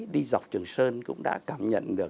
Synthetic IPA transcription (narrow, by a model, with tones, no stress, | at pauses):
ɗi˧za˨˩wk͡p̚t͡ɕɨ˨˩ŋsəː˧nkʊ̰˧˥ŋ͡mɗa̰ː˧˥kaː˧˩mɲə̰˧˨nɗɨ˨˩ək̚